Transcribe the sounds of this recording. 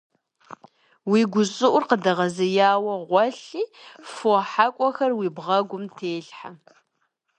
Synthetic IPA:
wiːɡʷʊɕʼɨʔʷʊrqədɐʁɐzɨjaːwɐʁʷɔɬiːfoħakʷʼɔxɐrwiːbʁɐɡʷʊmtʰeːɬħa

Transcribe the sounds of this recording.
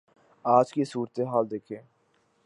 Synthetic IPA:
aːd͡ʒkisuːɾt̪eɦaːld̪eːkʰeː

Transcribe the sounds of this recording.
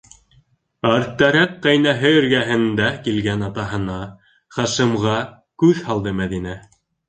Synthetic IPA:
ɑɾt̪ːæɾækqæjnæɦɘɘ̆ɾɡæɦɘ̆nd̪ækilɡænɑt̪ɑɦɤ̆nɑ | χɑʃɤ̆mʁɑ | kʉðhɑlˠd̪ɤmæðinæ

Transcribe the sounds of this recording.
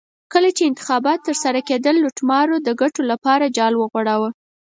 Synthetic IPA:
kəlat͡ʃeɪnt̪ɪ̥xɑbɑt̪ːəɾsaɾaked̪əlːoʈmɑɾod̪əɡaʈolapɑɾad͡ʒɑlwəɣwaɽawə

